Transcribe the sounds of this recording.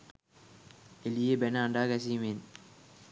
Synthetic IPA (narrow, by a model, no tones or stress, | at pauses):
elijebenəaɳɖaːkæs̬iːmen